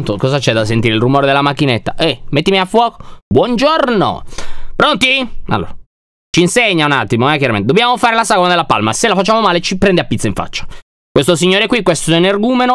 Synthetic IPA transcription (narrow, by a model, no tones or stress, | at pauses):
nt̪okɔzat͡ʃɛd̪as̬ent̪iɾeilrumoːɾed̪elːamakːinet̪ːaʔɛmet̪ːimiafwɔːko̥bwɔnd͡ʒorno̰pɾont̪ia̰lːo̰ːɾa | t͡ʃiːnseɲːaunat̪ːimoɛk̬ːjaɾament̪ed̪objaːmofaːɾelasaɡonad̪elːapa̰lmaselafat͡ʃːaːmomaːlet͡ʃipɾɛnd̪eapːit̪sːaiɱfa̰t͡ʃːḁ | kwest̪osiɲːoːɾekwikwest̪ɛnerɡuːmeno